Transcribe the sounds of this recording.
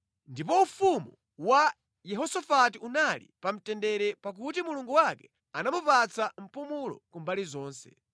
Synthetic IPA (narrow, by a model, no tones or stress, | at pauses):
ndipɔufumu | wa | jɛɦɔsafatiunalḭpam̩tɛndɛɾɛpak̬utimuluŋɡuwakɛ | anamupat͡sam̩pumulɔ̰kumbalizɔːnsɛ̰